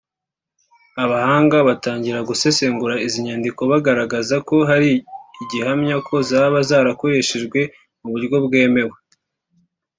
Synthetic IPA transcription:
aβahaːŋɡaβataːɲɟiɾaɡuse̞se̞ŋɡuɾaiziɲaːndiko̞βaɡaɾaɡazako̞ɦaɾiːɟihamɲakʰo̞zaːβazaːɾako̞ɾe̞ʃeʒɡwe̞ | muβuɾɟjo̞bɡe̞ːme̞we

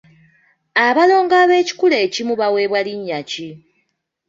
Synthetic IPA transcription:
aβalo̞ːŋɡaβe̞ːci̥kule̞ːcimuβawe̞ːβwaliɲːaci

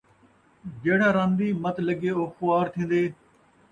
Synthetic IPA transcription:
d͡ʒeːɽãːɾãːnd̪iːmət̪ləɡeːoːxʊaːɾt̪ʰĩːnd̪eː

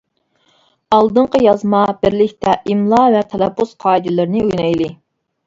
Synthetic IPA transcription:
ɑlˠd̪ɨɴqʰəjɑzmɑbɪɾlɪkʲt̪ɛʔimlˠɑvɛt̪ʰɛlˠɛpʰːusqʰɑːid̪ɪlˠɨɾnɨujnɑjlˠɨ

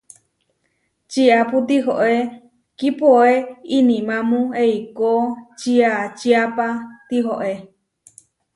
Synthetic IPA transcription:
t͡ʃiaput̪̬iɦo̰ʔe | kipoeinĩmãmũeikot͡ʃiat͡ʃiapat̪iɦoʔe

